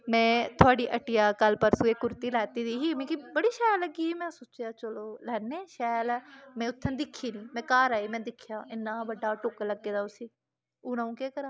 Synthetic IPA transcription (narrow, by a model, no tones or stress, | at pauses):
mɛ̃ːt̪ʰʊaːɖiːʔəʈɪjaːkəlpəɾsũːeːkʊɾt̪iːlɛːt̪iːd̪iːɦiːmĩːkibəɽiːʃɛːləɡiːɦiːmɛ̃ːsʊːt͡ʃjaːt͡ʃəloːlɛːneːʃɛːjlɛːmɛ̃ːʊt̪ʰːənd̪ɪkʰːiːnĩːmɛ̃ːkaːɾaːiːmɛ̃ːd̪ɪkʰjaːɪnːaːbəɖaːʈoːkələɡːeːd̪aːʊsiː | uːnãːũːkeːkəɾaː